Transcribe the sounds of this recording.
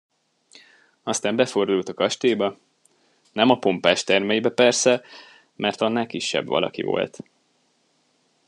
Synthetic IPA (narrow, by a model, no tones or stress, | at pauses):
ɒst̪aːmbɛfo̞rd̪ult̪ɒkɒʃt̪eːbɒ | nɛmɒpo̞mpaːʃt̪ɛrmɛjibɛpɛrsɛ | mɛrt̪ɒnːaːkiʃːɛ̰bvɒ̰lɒ̰kḭvo̰lt̪